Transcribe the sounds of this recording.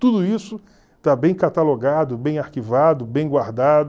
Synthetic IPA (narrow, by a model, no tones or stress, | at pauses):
t̪ud̪ʊisʊ | t̪abẽj̃kat̪aloɡad̪ʊbẽj̃aɾkivad̪ʊbẽj̃ɡwaɾd̪ad̪ʊ